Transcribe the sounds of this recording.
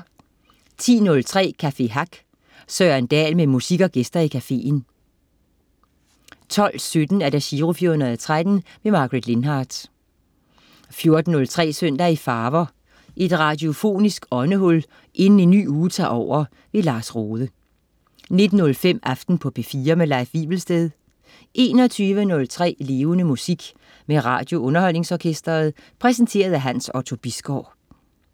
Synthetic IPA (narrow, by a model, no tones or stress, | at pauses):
t͡sʰḭːnɔ̽lt͡sʰʁɛ̰ːkʰæfe̝ɦɑ̈ɡ̥ | sœːɐend̥ɛ̰ːlmemusiɡ̥ɒ̽ɡ̥esd̥ɐikʰæfe̝̰ːn | t͡sʰɒ̽l̰sød̥n̩æɐd̥æɕiːʁofiɐhunɐðˠɐt͡sʰʁad̥n̩memɑ̈ːɡ̥ʁed̥le̝nɦɑ̈ːd̥ | fjo̝ɐd̥n̩ːɔ̽lt͡sʰʁɛ̰ːsøn̰d̥ɐifɑ̈ːʋɐ | ʔe̝d̥ʁɑ̈dio̝fo̝̰ːnisɡ̥ɒ̽nəɦɔ̽l | ʔe̝nn̩e̝nːy̰ːuːt͡sʰɑ̰̈ːɒʊ̰ɐ | ʋe̝lɑ̈ːsʁoːðˠə | ne̝d̥n̩ːɔ̽lfem̰ɑ̈fd̥n̩pʰɒ̽b̥ʰefiːɐmelɑ̈ɪfʋḭːb̥l̩sd̥eð̞ˠ | ʔe̝̰ːnɒt͡sʰyːʋənɔ̽lt͡sʰʁɛ̰ːle̝ːʊənəmusiɡ̥ | meʁɑ̰̈ːd̥jo̝ɔ̽nɐhɒ̽l̰ne̝ŋsɒːkʰesd̥ɐːð̩ˠpʰʁɛs̬ənt͡sʰe̝̰ːɐð̞̩ˠæɦænsɒt͡sʰo̝b̥isɡ̥ɒʊ̰